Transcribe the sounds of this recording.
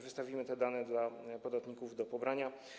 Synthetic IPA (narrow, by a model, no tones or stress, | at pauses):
vɘst̪avʲimɘt̪ɛd̪anɛd̪lapɔd̪at̪ɲikuvd̪ɔpɔbɾaɲa